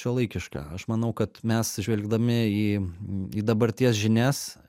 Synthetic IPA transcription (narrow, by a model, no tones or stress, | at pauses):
ʃʲulˠɐɪkʲɪʃkɑ̰ːɐʃmɐnɐʊkɐt̪mʲɛssʒʲʋʲɛlʲɡd̪ɐmʲɪiːiːd̪ɐbɐɾʲt̪ʲiɛsʒʲɪnʲæs